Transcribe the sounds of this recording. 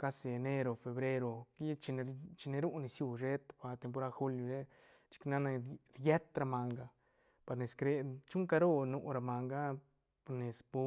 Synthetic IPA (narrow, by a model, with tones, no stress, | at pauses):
ka˦se˨e˨ne˦ɾo˨fe˧bɾe˦ɾo˧ki˦t͡ʃi˧n˧t͡ʃi˧ne˧ɾu˦ni˧sju˧ʐe˦t̪pa˧t̪e˧mp̬o˧ɾa˦xu˦lju˧ze˦ | t͡ʃi̥˦kna˦na˧ɾje˦t̪ɾa˧ma˧ŋɡa˧˨ | pa˨ɾne˨skɾe˧t͡ʃu˦ŋka˧ɾo˦nu˨˧ɾa˧ma˨ŋɡa˦ | pa˧ne˨spu˧